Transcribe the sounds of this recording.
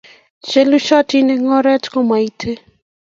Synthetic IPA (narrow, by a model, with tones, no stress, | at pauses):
t͡ʃe˦lu˦ʃɔ˦ti˦ne˦ŋɔ˦ɾɛ˦tko˦ma˨i˦tʰe˦